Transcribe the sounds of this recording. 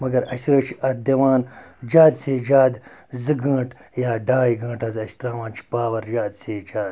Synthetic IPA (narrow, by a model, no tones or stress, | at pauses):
mɐɡɐɾɐsiɾɐːt͡ʃʰiɐɾd̪ewaːnd͡ʒaːd̪seːd͡ʒaːd̪zɨɡɐ̃ːʈ | jaːɖaːjiɡɐ̃ːʈɐzɐst̪ɾaːwaːnt͡ʃʰi̥baːwɐɾd͡ʒaːd̪seːd͡ʒaːd̪